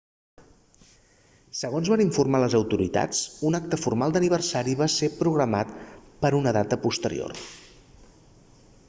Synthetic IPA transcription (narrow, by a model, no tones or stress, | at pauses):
səɣonzβaniɱfurmaləzəwt̪uɾḭt̪a̰t͡sunak̚t̪əfurmalˠd̪əniβ̞ərsaɾiβasepɾuɣɾəmat̪pəɾunəðat̪əpust̪əɾḭo̰r